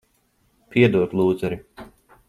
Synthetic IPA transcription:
piɛd̪uɔt̪lˠuːd̪zɛɾi

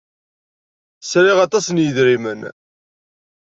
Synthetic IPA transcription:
sɾɪʁɑt̪ˤɑsənjəðɾimən

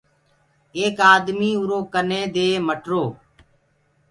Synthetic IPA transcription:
eːkaːd̪miːʊɾõːkənẽːd̪eːməʈɾoː

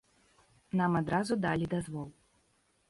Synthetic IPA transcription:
namad̪ɾazud̪alʲid̪azvɔlˠ

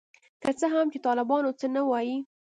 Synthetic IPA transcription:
kət͡səɦamt͡ʃet̪ɑlɪbɑnot͡sənawɑji

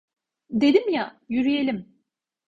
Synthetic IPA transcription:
d̪e̞d̪imjajyɾyje̞lʲim

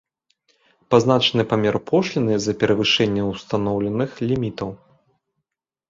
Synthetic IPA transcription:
pazn̪at͡ʂɐnɨpamʲɛrpʰɔʂlʲinɨzɐpʲɛɾɐvɨʂɛnʲːɐwst̪anɔwlʲɛnɨxlʲimʲit̪ɐw

